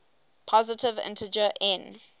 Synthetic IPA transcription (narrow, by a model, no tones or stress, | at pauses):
pʰɔzɪtɪvɪ̰̃ntʰəd͡ʒəʔɛ̃n